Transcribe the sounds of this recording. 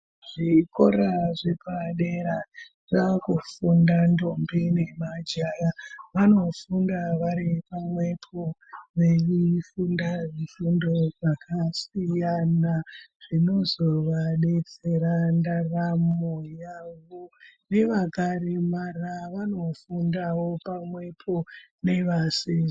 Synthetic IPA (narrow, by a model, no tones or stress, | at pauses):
ʐ̥iko̞ɾaʐepaɗeɾa | rakufundando̞mbine̞mad͡ʒaraʋano̞fundaʋaɾipamwe̞pʰoʋeʋifundaʋifundo̞ʐakasijanaʐ̥ino̞zo̞ʋaɗe̞t͡seɾandaramojaʋone̞ʋakaɾemaraʋano̞fundawo̞pamwe̞pʰo̞ne̞ʋase